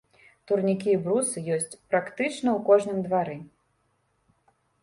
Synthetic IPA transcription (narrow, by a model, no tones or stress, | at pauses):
t̪urnʲikʲibɾusɨjɔsʲt͡sʲpɾakt̪ɨt͡ʂnɐwkɔʐnɨmd̪vaɾɨ